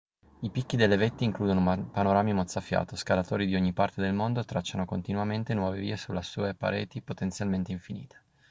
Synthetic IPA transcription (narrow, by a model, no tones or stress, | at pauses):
ipikːid̪elːevet̪ːiːŋkluːd̪onopanoɾaːmimot̪sːafja̰ːt̪oskalat̪oːɾid̪ioɲːipart̪ed̪elmond̪ot̪ɾat͡ʃːanokont̪inwament̪enwɔːvevḭːesulasuːepa̰ɾḛːt̪ipot̪ent̪sjalment̪eiɱfinḭːt̪ʰe̥